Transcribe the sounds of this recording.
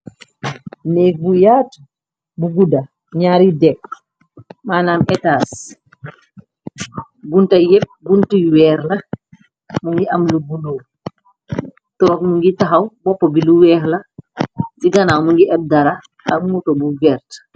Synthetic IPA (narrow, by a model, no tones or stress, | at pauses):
nɛk̚bujaːt | buɡudɐ | ɲaːɾidɛk | maːnaːmɛtaːs | ɡuntɐjɛp̚ɡuntiwɛːɾlɐ | muŋɡiʔɐmluɡunoː | tɔkmuŋɡitaɦɐwbɔpːɔbiluwɛːɾlɐ | tiɡanawmuŋɡiʔɛp̚daɾa | aŋutɔbuvɛɾt